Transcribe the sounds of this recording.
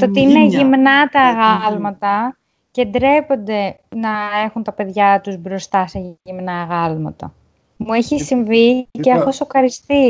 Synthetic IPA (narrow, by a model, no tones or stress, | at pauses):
t̪ot̪iineʝimnɐt̪ɐːɣɐlmɐt̪ɐ | ce̞nd̪ɾe̞po̞nd̪e̞ | nɐe̞xunt̪ɐpe̞ðʝɐt̪uzbɾo̞st̪ɐse̞imnɐːɣɐlmɐ̰t̪ɐ̰ | mueçisiɱviceɐxosoxɐɾist̪i